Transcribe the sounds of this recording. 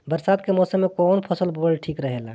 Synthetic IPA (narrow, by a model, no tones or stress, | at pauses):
bəɾsaːd̪kemɔːsəmːekɔːnpʰəsəlbolʈʰikɾəɦela̰